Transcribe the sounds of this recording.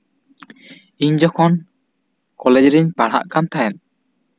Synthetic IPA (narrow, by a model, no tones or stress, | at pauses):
iɲd͡ʒɔkʰɔn | kɔlɛd͡ʒɾiɲpaɽ̤a̰ʔkant̪ʰaɛn